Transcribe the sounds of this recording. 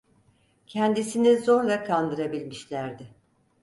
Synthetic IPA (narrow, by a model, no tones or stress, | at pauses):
cʰɛnd̪isinizo̞ɾlˠakʰand̪ɯɾabilʲmiʃlʲæɾd̪ɪ